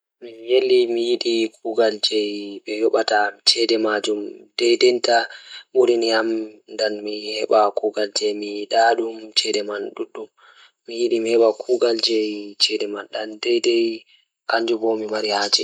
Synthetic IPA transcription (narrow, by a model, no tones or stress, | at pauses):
mijelːimijiɗikʰuɡald͡ʒɛjɓɛjɔɓatamt͡ʃɛdɛmad͡ʒumd̥ɛjdɛntamuɾiniamndanmihɛɓakuɡald͡ʒɛmijɗaɗumt͡ʃɛdɛmanɗuɗːumː | ijiɗimihɛɓakʰuɡald͡ʒɛjt͡ʃɛdɛmanɗandɛjdɛj | kaɲd͡ʒubɔmimaɾihad͡ʒɛ